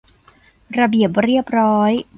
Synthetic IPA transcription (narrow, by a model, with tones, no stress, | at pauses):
ɾa˧bi˨˩əp̚ɾi˥˩əp̚ɾɔː˦˥j